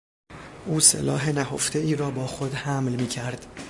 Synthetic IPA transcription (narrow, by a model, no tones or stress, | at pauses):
ʔuːsḛlɒːɦenæɦoft̪ʰe̞iːɾɒːbɒːxo̞d̪hæmlmiːcʰæɾd̪̥